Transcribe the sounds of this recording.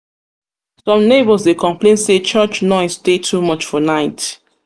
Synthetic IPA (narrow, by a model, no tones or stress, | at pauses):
sɔ̃mnebəlsdekʰɔ̃mplẽnset͡ʃɜt͡ʃnɔɪstetʰumʌt͡ʃfɔnaɪt